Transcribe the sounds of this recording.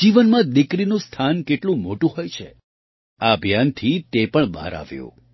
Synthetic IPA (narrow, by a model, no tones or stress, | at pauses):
d͡ʒiʋənmãd̪ɪkɾinũst̪ʰankeʈlũmoʈũɦojt͡ʃʰḛ | aəbʱjant̪ʰit̪epəɳba̰ɾa̰ʋjṵ̃